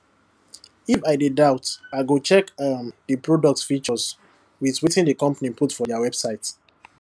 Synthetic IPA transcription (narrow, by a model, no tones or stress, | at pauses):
ifaɪdedaʊtaɪɡot͡ʃɛkmdəpɹodɔk̚tfit͡ʃɔs | wiswitĩndəkɔ̃mpaniputfɔdawɛbsaɪt